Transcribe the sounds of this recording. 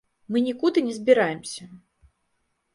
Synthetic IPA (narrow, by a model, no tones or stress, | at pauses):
mɨnʲikud̪ɨnʲɛzʲbʲiɾajɪmsʲɐ